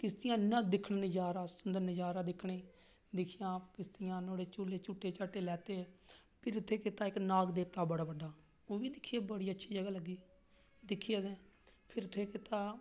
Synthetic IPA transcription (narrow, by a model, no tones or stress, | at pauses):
kɪst̪ɪjãːnːãːd̪ɪkʰɳnɪd͡ʒaːɾaːsʊnd̪əɾnɪd͡ʒaːɾaːd̪ɪkʰɳeː | d̪ɪkʰɪjãːpkɪst̪ɪjãːnoːɽeːt͡ʃuleːt͡ʃʊʈːeːt͡ʃəʈːeːlɛːt̪eːpʰɪɾʊt̪ʰːeːkɪt̪aːɪknaːɡd̪eːt̪aːbəɽaːbəɖːaː | oːʋiːd̪ɪkʰːɪaːbəɽiːətːʃʰiːd͡ʒəɡaːləɡːiː | d̪ɪkʰːɪjaːɛːpʰɪɾʊt̪ʰeːkɪt̪aː